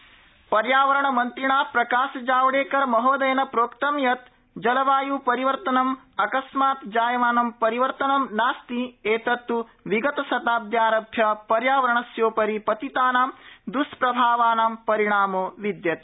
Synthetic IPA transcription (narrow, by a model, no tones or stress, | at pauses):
pɐɾjaːʋɐɾɐɳɐmɐnt̪ɾiɳaːpɾɐkaːʃɐd͡ʒaːʋɐɽeːkɐɾmɐɦoːd̪ɐjɐnɐpɾoːkt̪ɐmjɐt̪ | d͡ʒɐlɐʋaːjuːpɐɾiʋɐɾt̪ɐnɐm | ɐkɐsmaːt̪d͡ʒaːjɐʋaːnɐmpɐɾiʋɐɾt̪ɐnɐmnaːst̪ieːt̪ɐt̪ːuʋiɡɐt̪ɐsɐt̪aːd̪jaːɾɐbʱjɐpɐɾjaːʋɐɾɐɳɐsjoːpɐɾipɐt̪it̪aːnaːmd̪uspɾɐbʱaːʋaːnaːmpɐɾiɳaːmoːʋid̪jɐt̪